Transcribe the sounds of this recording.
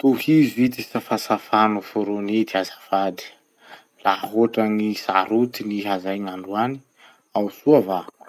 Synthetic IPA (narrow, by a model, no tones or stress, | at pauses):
t̪uhizit̪isafasafanufuɾoned̪iazafad̪i̥ | laaɦoʈ͡ʂaŋisa̰ɾut̪iniɦazajŋaɳɖ͡ʐuani | awsuavak